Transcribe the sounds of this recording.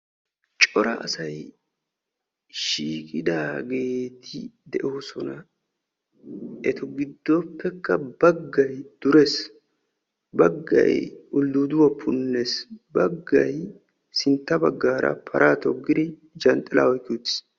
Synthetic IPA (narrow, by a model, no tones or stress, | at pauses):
t͡ʃʼɔɾɐ̰ʔɐ̰sɐj | ʃiːkʼɪd̪aːɡe̞ːt̪ʰɪd̪ɛʔo̞ːsɔnɐ | ʔɛt̪ɔɡɪd̪ːopːɛkːɐbɐɡːɐjd̪̥ʊɾes | bɐɡːɐ̰jʊld̪ud̪ʊwɔpʰːʊnːesbɐɡːɐj | sɪnt̪ːɐbɐɡːaːɾɐ̰pʰɐɾʔaːt̪ɔɡːɪd̪ɪ | d͡ʒɐnt̪ʼːɪla̰ːɔjkːɪuːt̪ːɪ̥s